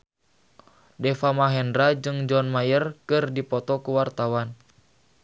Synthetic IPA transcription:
dɛfamaɦɛndɾad͡ʒɨŋd͡ʒɔnmajərkɨrdipɔt̪ɔkuwart̪awan

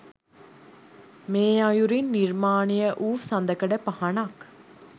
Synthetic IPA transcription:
meːajuɾinːiɾmaːnijəʔuːfsɐnd̪əkəɖəpɐhɐnak

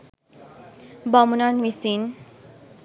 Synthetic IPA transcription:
bʌmunʌnmisin

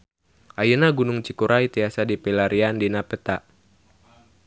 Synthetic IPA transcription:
ʔajənaɡunuŋt͡ʃikuɾʔait̪iasadipɛlaɾiandinapət̪a

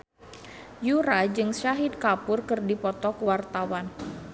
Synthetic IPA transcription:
juɾad͡ʒɨŋʃaɦid̪̚kapʊrkɨrdipɔt̪ɔkəwart̪awan

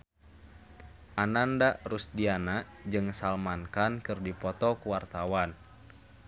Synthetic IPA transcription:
ʔanandaʔrusdianaʔ | d͡ʒɨŋsalmankankɨrdipɔt̪ɔkuwart̪awan

